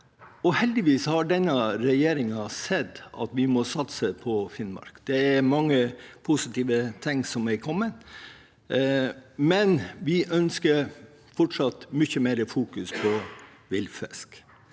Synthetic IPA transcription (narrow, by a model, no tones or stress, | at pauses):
ɔhɛld̪ɪʋiːshɑɖɛnːɑɾɛjeːɾɪŋɑsɛd̪ɑ̰t̪ʋɪmɔsɑt̪səpʰɔfɪnmɑ̰ɾkd̪̥ɛɛɾmɑŋːəpʰʊsɪt̪iːʋət̪ʰɪŋsɔmɛɾkʰɔmːən | mɛnʋɪʔœnskəɾ | fɔʈʂɑt̪mʏçəmeːɾəfuːkʉspʰɔ | ʋɪlfɛ̰sk